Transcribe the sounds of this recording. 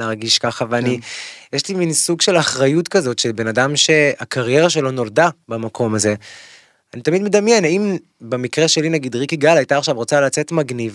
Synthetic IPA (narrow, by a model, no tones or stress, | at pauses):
eaʁɡiʃkaχavelanijeʃliminsuɡʃe̞laχʁajutkazo̞tʃe̞lbe̞nadamʃe̞akaʁje̞ʁaʃe̞lo̞no̞ldabamakʰo̞maze̞ | anit̪amid̪med̪amjenaim | bemikʁe̞ʃelinaɡidʁikiɡalajtaːχʃavʁo̞t͡salat͡se̞tmaɡniv